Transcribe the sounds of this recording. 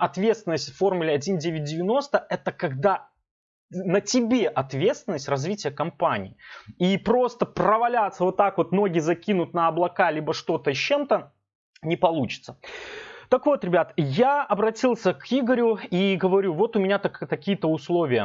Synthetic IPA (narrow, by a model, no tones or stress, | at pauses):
ɐt̪vʲet̪st̪vɪnːəsʲtʲffo̞rmʊlʲɪɐdʲinʲdʲevʲɪt̚ʲdʲɪvʲɪno̞st̪əʔɛt̪əkɐɡd̪a | nətʲɪbʲeʔɐt̪vʲe̞t̪st̪vʲɪnːəsʲtʲrɐzvʲitʲɪjəkɐmpanʲɪ̰ːipɾo̞st̪əprəvɐlʲat̪səvo̞t̪ːakvo̞t̪no̞ɡʲɪzɐkʲinʊt̪̚nəɐblˠɐkalʲibəʂt̪o̞t̪əɕːe̞mt̪ə | nʲɪpɐlˠut͡ɕɪ̥t̪sə̥t̪əkvo̞t̪ɾʲɪbʲat̪jaɐbɾɐtʲilˠsʲəkʰiɡəɾʲʊiɡəvɐɾʲuvo̞t̪ʊmʲɪnʲat̪t̪ɐkʲijət̪əʊslˠo̞vʲɪjə